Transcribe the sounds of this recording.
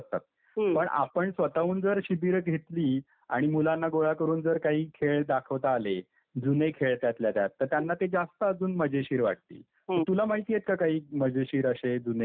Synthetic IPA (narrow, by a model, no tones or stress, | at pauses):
t̪a̰t̪̚ | pəɳʔa̰pəɳsʋət̪aʋuːnd͡zəɾɕibiːɾɡʱet̪liː | a̰ɽ̃imulanːaɡoɭakəɾuːnd͡zəɾkaɦiːkʰeɭd̪akʰəʋt̪aːle | d͡zunekʰeɭt̪jat̪ljat̪jat̪ːəɾt̪janːat̪ed͡zast̪əːd͡zuːnməd͡ʑeɕiːɾʋa̰ʈ̚t̪ḭː | ət̪ulamaɦit̪ijet̪̚kakaɦiːməd͡ʑeɕiːɾəɕed͡zune